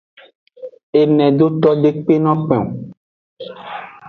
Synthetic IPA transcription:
e˨nɛ̃˨ɖ̪o˦t̪ɔ˦ɖe˦k͡pe˦nɔ̃˦k͡pɛ̰̃˨u˨

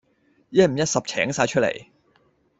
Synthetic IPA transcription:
jɛ˥m̩˨˩jɐ˥t̚sɐ˨p̚t͡sʰɛ̰ː˨˥ŋsaː˧jt͡ʃʰɵ˥tlḛ˨˩j

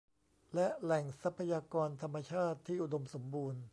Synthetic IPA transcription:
lɛ˦˥lɛ˨˩ŋsa˦˥pʰːa˧jaː˧kɔː˧nt̪ʰa˧mːa˧t͡ɕʰaː˥˩t̪ʰːiː˥˩ʔu˨˩do˧mso˩˦mbuː˧n

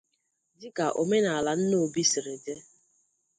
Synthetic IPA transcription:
dɪ˦ka˨ʔo˨me˦na˨a˨la˨n̩˦no˦˨bi˦si˨ɾe˨de˦

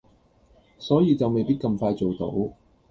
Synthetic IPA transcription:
sɔː˨˥jiː˨˧t͡sɐ˨wme˨jpiː˥t̚kɐ˧mfaː˧jt͡so˨wt̪o̰˨˥w

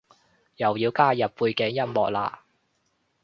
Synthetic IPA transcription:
jɐ˨˩wjiː˨˧wkaː˥jɐ˨p̚puː˧jkɛ˨˥ŋjɐ˥mmɔː˨k̚la̰ː˧

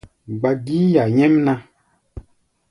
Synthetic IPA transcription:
ɡ͡ba˨ɡiː˦ja˨ɲɛ̃˦mnã˧

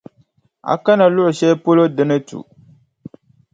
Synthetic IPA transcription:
a̰˨ka˦na˨lʊ˦ʔʊ˨ʃɛ˦po˦lo˦dɨ˦nɨ˦tṵ˨

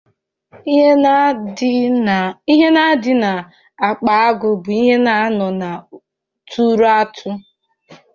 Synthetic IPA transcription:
i˦ɦe˦na˦dɪ˦na˨ | a˨k͡pa˨a˦ɡʊ˨bʊ˨i˦ɦe˦na˨˦nɔ˨na˨ | tu˦ɾa˦tʰʊ˦

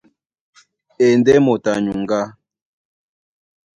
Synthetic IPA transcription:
e˨ndɛ˦mo˨ta˨ɲu˨ŋɡa˦

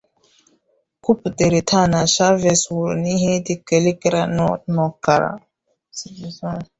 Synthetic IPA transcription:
ku˦pte˨ɾe˨tʰa˦na˨ʃa˦ve˨swu˨ɾni˦ɦẽ˦t̪i˦ke˨li˦kɾa˦nɔ˦tnɔ˨ka˨ɾa̰˨

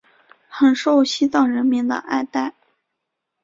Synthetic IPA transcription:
xə˨˩nʂo˥˧ʊɕi˥t͡sɑ˥˩ʊɻə˧˥nmi˧˥nd̪ə̰˧˩ʔa̰˥˧ɪt̪a˥˩ɪ

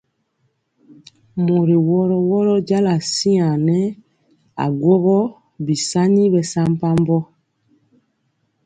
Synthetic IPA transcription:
mo˨ɾi˨wɔ˦ɾɔ˦wɔ˦ɾɔ˦ɟa˦la˨si˦a˨nɛ˦ | a̰˨ɡwɔ˦ɣɔ˦ | bi˨sa˦ni˦bɛ˨sa˦m˦pa˦mbɔ˦

